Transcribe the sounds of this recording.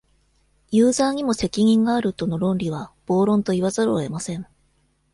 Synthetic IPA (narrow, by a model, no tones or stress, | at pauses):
jɯːzaːɲ̟imo̞se̞kʲiɲ̟ĩŋɡaːɾɯ̟t̪o̞no̞ɾõ̞nɾʲiβ̞ab̥o̞ːɾõ̞nt̪o̞iβazaɾɯ̰ːe̞masẽ̞ɴ